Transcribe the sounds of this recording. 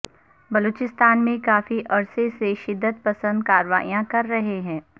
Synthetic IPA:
bɐloːt͡ʃɪst̪aːnmẽkaːfiʔɐɾseseʃɪd̪ːət̪̚pɐsə̃nd̪̚kaːɾəʋa̰ːijãkɐɾːɐɦeɦɛ̃ː

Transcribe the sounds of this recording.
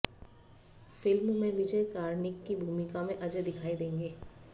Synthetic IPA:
fɪlmmẽʋɪd͡ʒəekaːɾnɪkːibʱuːmɪkamẽʔɐd͡ʒəd̪ɪkʰaːid̪ẽːŋɡeː

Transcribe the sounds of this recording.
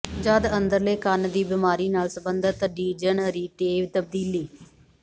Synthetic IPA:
d͡ʒəd̪ənd̪əɾleːkənd̪iːbɪmaːɾiːnaːlsəbənd̪ət̪ɖiːd͡ʒənɾiːʈeːʋt̪əb̚d̪iːliː

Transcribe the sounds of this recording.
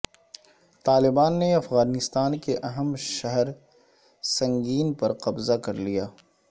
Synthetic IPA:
t̪aːlɪbaːnːeɐfɣaːnɪst̪aːnkeʔɐɦəmʃɐɦɛɾ | sɐ̃ŋɡiːnpɐɾqɐbzakɐɾlijaː

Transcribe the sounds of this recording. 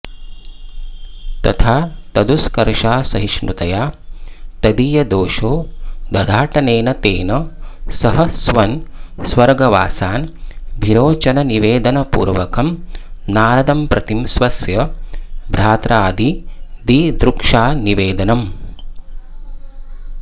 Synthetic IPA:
t̪ɐ̰t̪ʰaːt̪ɐd̪uskɐɾʂaːsɐɦiʃɳṵt̪ɐjaːt̪ɐd̪ijɐd̪oːʃoːd̪ɐd̪ʱaːʈɐneːnɐt̪eːnɐsɐɦɐsʋɐnsʋɐɾɡɐʋa̰ːsaːnbʱiɾoːt͡ʃɐnɐniʋeːd̪ɐnɐpṵːɾʋɐkɐmnaːɾɐd̪ɐmpɾɐt̪imsʋɐsjɐbʱɾaːt̪ɾaːd̪ʱid̪id̪ɾukʂaːniʋeːd̪ɐnɐm

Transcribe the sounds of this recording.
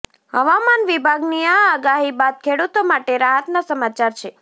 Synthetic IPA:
ɦəʋamanʋibʱaɡniaːɡaɦibad̪̚kʰeɽut̪omaʈeɾaɦət̪nasəmat͡ʃaɾt͡ʃʰe

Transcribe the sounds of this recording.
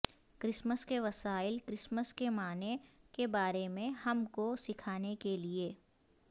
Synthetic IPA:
kɾɪsməskeʋɐsaːɪlkɾɪsməskemaːnekebaːɾemẽhɐmkosɪkʰaːnekelieː

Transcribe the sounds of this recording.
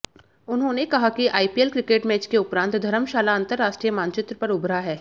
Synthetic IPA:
ʊnɦõːnekɐɦakiʔaːipielkɾɪkeːʈmɛːt͡ʃkeʊpɾãːnt̪d̪ʱɐɾəmʃaːlaɐ̃nt̪əɾːaːʃʈɾijəmaːnt͡ʃɪt̪ɾəpɐɾʊbɾaɦɛː

